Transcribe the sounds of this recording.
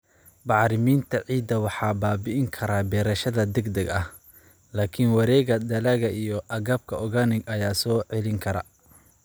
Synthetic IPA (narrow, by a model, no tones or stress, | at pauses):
bɑʕɾɪmiːnt̪ʰɐʕiːd̪ɐwɑħɑːbaːbɪʔɪŋkʰɐɾaːbɛːɾɐʃɐðɐd̪ɛɡd̪ɛɡɐh | laːkʰɪnwɑɾɛːɣɐd̪ɐlɐɣɐʔijɔʔɐɣɐːb̚kʰɐʔɔɣɐnɪɡɐjaːsɔːʕɛlɪŋkʰɐɾɐ̰